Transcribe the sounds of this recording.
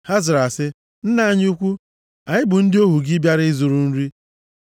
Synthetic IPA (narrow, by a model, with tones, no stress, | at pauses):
ha˦zɪ˨ɾa˨sɪ˦ | n̩˦na˦a˦ɲ˦u˦kʷu˦ | a˨ɲɪ˦bʊ˨n̩˦dɪ˦o˦ɦu˨ɡɪ˦bja˦ɾɪ˦zʊ˨ɾu˨n̩˦ɾi˦